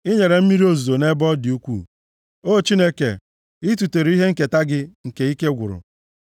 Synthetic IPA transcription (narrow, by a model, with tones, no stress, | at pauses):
ɪ˦ɲe˨ɾe˨m̩˦mi˦ɾi˦o˦zu˨o˨ne˦bɔ˦dɪ˨u˦kʷṵː˦˨ | o˦˨t͡ʃi˦ne˦ke˨ | ɪ˦tu˨te˨ɾi˦ɦe˦ŋ̩˦˨ke˨ta˦ɡɪ˦ŋ̩˨ke˨i˦ke˦ɡʷʊ˨ɾʊ̰˨